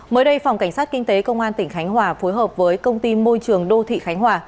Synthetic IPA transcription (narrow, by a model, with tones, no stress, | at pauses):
məː˨˦jɗə˧jfa˨˩wŋ͡mka˧˩jŋ̟saː˦˥t̚kï˧ŋ̟t̪e˨˦kə˧wŋ͡mʔaː˧nt̪ï˧˩ŋ̟xa˨˦jŋ̟hwaː˧˩fo˨˦jɦəː˨˩p̚vəː˨˦jkə˧wŋ͡mt̪i˧mo˧jt͡ɕɨ˨˩əŋɗo˧t̪ʰḭ˧˨xa˨˦ŋ̟ɦwaː˨˩